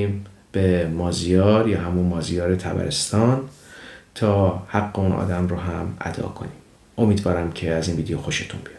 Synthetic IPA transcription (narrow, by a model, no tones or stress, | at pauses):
iːm | b̥emɒːzijɒːɾjɒːɦæmunmɒːzijɒːɾet̪ʰæbæ̰ɾest̪ɒːn | t̪ʰɒːhæɡːe̞unʔɒ̰ːd̪æmɾoɦæmʔæ̰d̪ɒ̰ːkʰo̞̰niːm | ʔo̞miːd̪vɒːɾæmcʰe̞æziːnviːd̪ejoxo̞ʃet̪ʰṵnb̥ijɑ̥